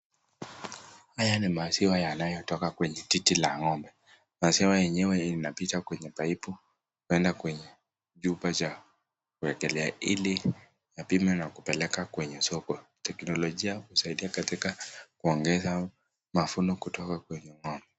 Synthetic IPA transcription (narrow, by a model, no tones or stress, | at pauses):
hajanimasiwajanajɔtɔkakwɛɲɛtitilaŋɔmbɛ | masiwajɛɲɛwɛinapitakwɛɲɛpaipu | kuɛndakwɛɲɛ | ʄupat͡ʃa | kuɛkɛlɛaili | japimɛnakupɛlɛkakwɛɲɛsɔkɔtɛknɔlɔʄiahusaiɗiakatikakuɔŋɡɛza | mafunɔkutɔkakwɛɲɛŋɔmbɛ